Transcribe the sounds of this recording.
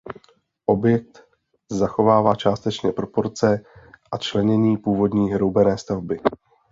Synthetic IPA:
ʔo̞bjɛk̚t̪ | zaxo̞vaːvaːt͡ʃaːst̪ɛt͡ʃɲɛpɾo̞po̞ɾt͡sɛʔat͡ʃlɛɲɛɲiːpuːvo̞dɲiːɦɾo̞wbɛnɛːst̪avbɪ

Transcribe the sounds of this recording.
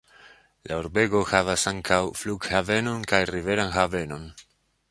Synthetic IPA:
lʔaoɾbe̞ɡo̞havasaŋkʰawfluɡhave̞no̞nkajrive̞ɾanxave̞no̞n

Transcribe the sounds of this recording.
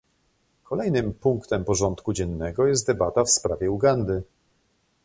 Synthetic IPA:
kʰɔlɛjnɘmpuŋkt̪ɛmpɔʐɔnt̪kud͡ʑɛnːɛɡɔjɛst̪̚d̪ɛbat̪afspɾavʲjɛuɡand̪ɘ

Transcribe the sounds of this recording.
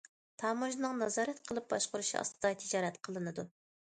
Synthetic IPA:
t̪ʰɑːmuʒnɨŋnɑzɑːɾɛt̪qʰəlˠɨp̚bɑʃqʊɾuʃiɑ̰st̪ɨd̪ɑt̪ʰɪd͡ʒɑːɾɛt̪qʰəlˠɨnɨd̪u

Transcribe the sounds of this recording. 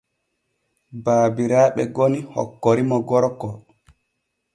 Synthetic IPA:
baːbiɾaːɓɛɡonihɔ̰kːɔɾimɔɡɔɾkɔ

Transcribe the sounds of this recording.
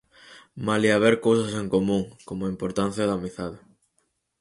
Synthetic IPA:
maliaβeɾkowsɐseŋkomũŋkomoaimpoɾt̪an̟θjɐðamiθaðɪ

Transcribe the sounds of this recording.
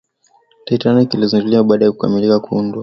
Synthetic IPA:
taitanikiliziŋɡuliaɓaːɗajakuka̰milikakuundwa

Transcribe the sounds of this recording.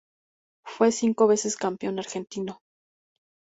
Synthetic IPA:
fwe̞siŋko̞βe̞se̞skampjo̞naɾxe̞nt̪ino

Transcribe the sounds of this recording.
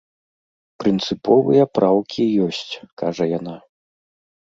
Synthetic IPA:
pɾɨnt̪sɨpɔvɨjɐpɾʔawkʲijɔsʲt͡sʲkaʐɐjana

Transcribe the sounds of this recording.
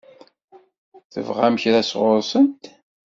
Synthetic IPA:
θə̰vʁæmçɾæsʁʊɾsənt̪

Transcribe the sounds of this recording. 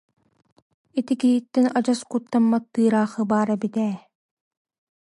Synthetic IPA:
it̪ikiɦit̪ːɛnad͡ʑaskut̪ːamːat̪ːɯːɾaːχɯbaːɾɐbit̪ɛː

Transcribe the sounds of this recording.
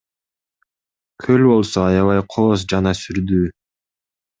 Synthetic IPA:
kʰø̞lʲbo̞lˠso̞ɑjɑβɑjqʰoːs̬d͡ʒɑnɑsyɾd̪yː

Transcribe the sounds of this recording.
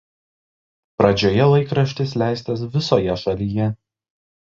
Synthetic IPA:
pɾɐd͡ʒʲoːjɛlˠɐɪkɾɐʃʲt̪ʲɪslʲæˑɪsʲt̪ʲɐs̬ʋʲɪsoːjɛʃɐlʲijɛ

